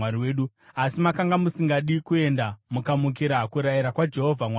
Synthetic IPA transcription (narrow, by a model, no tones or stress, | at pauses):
aɾiweːɗu | asimakaŋɡamusiŋɡaɗikue̞ndamukamuk̬iɾaɦːkuɾajiɾakwad͡ʒe̞ɦovʱamwa